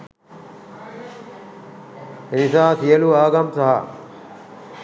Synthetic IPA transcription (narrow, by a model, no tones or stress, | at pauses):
enisaːsijɐluaːɡɐmsɐɦa̰